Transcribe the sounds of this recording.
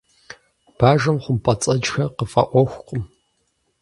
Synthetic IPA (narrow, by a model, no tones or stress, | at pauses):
b̥aːʒɐmχʷʊmpʼɐt͡sʼɐd͡ʒxɐqəfʼɐ̰ʔʷɔxʷqʷʼʊm